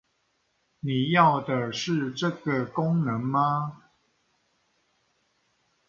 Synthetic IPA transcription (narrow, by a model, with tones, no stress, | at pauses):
ni˨˩jɑ˥˩ʊd̪ə˨˩ʂɻ̩˥˧ʈ͡ʂə˥˨ɡə˨kʊ˦ŋnə˨˦ŋma˦